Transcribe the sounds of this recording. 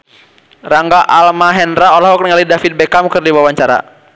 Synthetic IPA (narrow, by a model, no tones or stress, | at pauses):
raŋɡaʔalmaɦɛnɾaɔlaɦɔk̚nəŋalidafit̪̚bɛkamkɨrdiwawaɲt͡ʃaɾa̰